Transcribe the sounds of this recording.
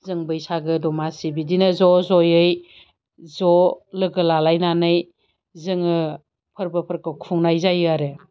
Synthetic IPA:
zɯŋbɯjsaɡɯdɔmasibidinɯzɔzɔjɯj | zɔlɯɡɯlalajnanɯj | zɯŋɯ | pʰɯɾbɯpʰəɾkɯkʰuŋnajzajaɾe

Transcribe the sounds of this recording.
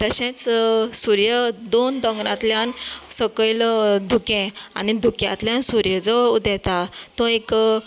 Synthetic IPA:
t̪əɕẽt͡ssuɾjəd̪ond̪əŋɡɽã̰t̪ljansəkəld̪ʱukẽa̰nid̪ʱukjã̰t̪ljãnsuɾjəd͡zəd̪ɛt̪at̪ɔ̃ek

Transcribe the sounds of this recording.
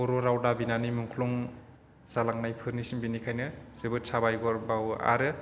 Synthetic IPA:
ɔɾoɾawdabinanimuŋkʰlɔŋ | salaŋnajpʰɯɾnisiŋbinikʰajnɯsebɯsʰabajɡɔɾbawa̰ɾɯ

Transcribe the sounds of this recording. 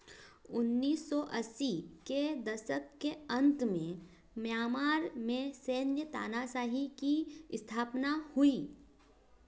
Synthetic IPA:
ʊnːiːsːɔʔɐsiked̪ɐsəkːeə̃nt̪mẽ | mjaːmaːɾmẽseːnjət̪a̰ːnasaːɦikist̪ʰaːpnahʊiː

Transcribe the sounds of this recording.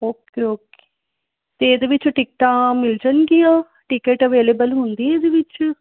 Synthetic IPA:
oːkeoːke̥ː | t̪eːd̪eʋɪt͡ʃʈɪk̚ʈãːmɪld͡ʒənɡiãː | ʈɪkeːʈəʋeːleːbəlɦʊ̃nd̪iẽed̪eʋɪt͡ʃ

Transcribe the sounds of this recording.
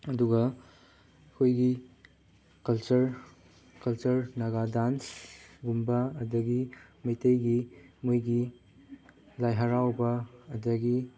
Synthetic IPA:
ɐduɡɐ | kʰojɡi | kɐlt͡ʃɐɾ | kɐlt͡ʃɐɾnɐɡadansɡumbɐɐdɐɡimɐjtɐjɡimujɡi | lajɦɐɾawbɐːdɐɡi

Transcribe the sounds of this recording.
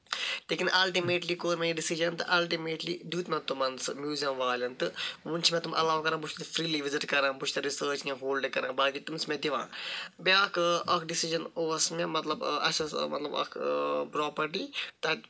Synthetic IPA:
leːkinʔɐlʈimeːʈlikoːɾmeɖisiʒɐnt̪ɨʔɐlʈimeːʈlid̪uːt̪mẽt̪umɐnsɨmjuːzijɐmʋaːlʲɐnt̪ɨmunt͡ʃʰimẽt̪umʔɐ̰laːʋkɐɾɐ̃ːbuʃt̪ɐt̪fɾiːliʋizɪʈkɐɾãːbuʃʰt̪ɐɾisəːt͡ʃnẽɦoːlɖekɐɾɐ̃ːbaːɡit̪umsmẽd̪iʋã̰ːbaːkɐkɖisiʒɐnoːsmemɐt̪lɐbɐ̰sɐsmɐt̪lɐbɐ̰kʰpɾɔːpɐɾʈiːt̪ɐ

